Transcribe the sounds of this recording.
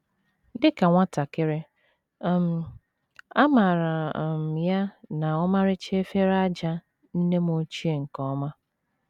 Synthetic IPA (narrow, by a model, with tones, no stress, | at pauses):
dɪ˦ka˨ŋʷa˦ta˨kɪ˦ɾɪ˦˨ | m̩˨ | a˦ma˨ɾa˨m˨ja˦na˨ɔ˦ma˦ɾɪ˦t͡ʃe˦fe˦ɾa˦d͡ʒa˦ | n̩˦ne˦m˦o˦t͡ʃi˦e˨ŋ̩˨kɔ˦ma˦